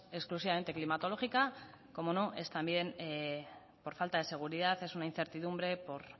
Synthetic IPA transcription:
eksklusiβame̞nt̪e̞klimat̪o̞lo̞xika | ko̞mo̞no̞ʔe̞st̪ambje̞n | po̞ɾfalt̪aðe̞se̞ɣ̞uɾiðaθe̞sunain̟θe̞ɾt̪iðumbɾe̞po̞ɾ

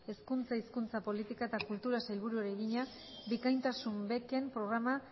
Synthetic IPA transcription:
e̞skunt͡saiskunt͡sapo̞lit̪ikaet̪akult̪uɾasajlβuɾueɾeɣiɲa | bikajnt̪asumbe̞ke̞mpɾo̞ɣ̞ɾama

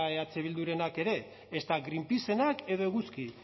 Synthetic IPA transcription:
eat͡seβ̞ild̪uɾe̞nake̞ɾe̞ | est̪aɣɾimpise̞nake̞ðo̞eɣuski

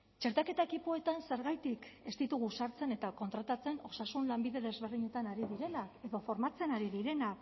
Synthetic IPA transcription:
t͡ʃe̞ɾt̪ake̞t̪aekipo̞e̞t̪anse̞ɾɣajt̪ike̞st̪it̪uɣusaɾt͡se̞ne̞t̪ako̞nt̪ɾat̪at͡se̞no̞sasunlambiðe̞ðe̞zβe̞ɾðiɲe̞t̪anaɾiðiɾe̞nake̞ðo̞fo̞ɾmat͡se̞naɾiðiɾe̞nak

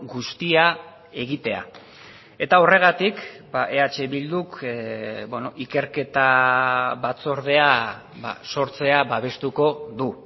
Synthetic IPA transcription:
ɡust̪ia | e̞ɣit̪e̞a̰ | e̞t̪ao̞re̞ɣ̞at̪ikbaʔe̞at͡ʃe̞βild̪uk | beno̞ʔike̞ɾke̞t̪a | βat͡so̞ɾð̞e̞a | βa̰so̞ɾt͡se̞aβaβ̞e̞st̪uko̞ðu

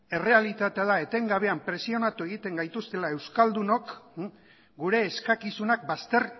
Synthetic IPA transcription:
e̞re̞alit̪at̪e̞aðae̞t̪e̞ŋɡaβ̞e̞ampɾe̞sio̞nat̪ue̞ɣ̞it̪e̞ŋɡajt̪ust̪e̞lae̞wskald̪uno̞k | ɡuɾe̞ːskakisunak̚bast̪e̞ɾ

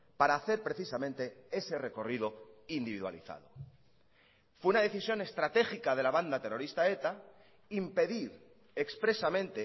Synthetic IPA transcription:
paɾaːθe̞ɾpɾe̞θisamẽnt̪e̞e̞se̞re̞ko̞riðo̞ind̪iβ̞iðwa̰lḭθa̰ð̞o̞̰ | fweunaðe̞θisjo̞ne̞st̪ɾat̪e̞xikað̞e̞laβand̪at̪e̞ro̞ɾist̪ae̞t̪a | impe̞ðiɾ | ekspɾe̞samẽ̞nt̪e

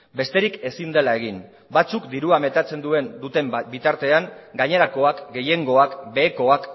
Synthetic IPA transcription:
be̞st̪e̞ɾike̞sind̪e̞lae̞ɣ̞in | bat͡sukd̪iɾuame̞t̪at͡se̞nd̪ue̞nd̪ut̪e̞mbit̪aɾt̪e̞aŋɡaɲe̞ɾako̞akɡe̞je̞ŋɡo̞akbe̞ːko̞ak

